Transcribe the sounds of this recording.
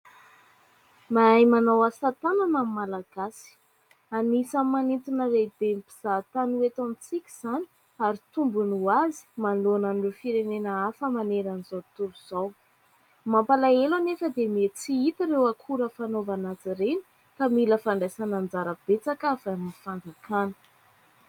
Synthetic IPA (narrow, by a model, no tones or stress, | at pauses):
maajmanawasat̪ananamimalaɡ̥asi̥ | anisammːanint̪inəred̪empiz̥at̪anuet̪amit͡sikʲi̥z̥ani̥ | aɾit̪umbunuazi̥manlonanirefiɾenenəafəmaneɾanizowt̪uɾuz̥aw | mampalaelanefəd̪emet͡siit̪iɾewakʰuɾəfanovanat͡siɾeni̥ | kamiləfaɳɖ͡ʐajsanand͡zaɾəb̥et͡sakavaamnifandakanə̥